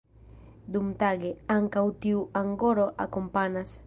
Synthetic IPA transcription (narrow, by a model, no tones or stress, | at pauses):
d̪umt̪aɡeaŋkawt̪iwaŋɡoɾoʔakompanas